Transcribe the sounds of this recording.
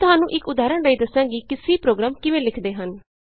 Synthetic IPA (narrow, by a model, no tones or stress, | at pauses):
t̪ʊɦaːnũːʔɪkʊd̪aːɾəɳɾəiːd̪əsãːɡiːkɪsiːpɾoːɡɾaːmkɪʋẽːlɪkʰd̪eːɦən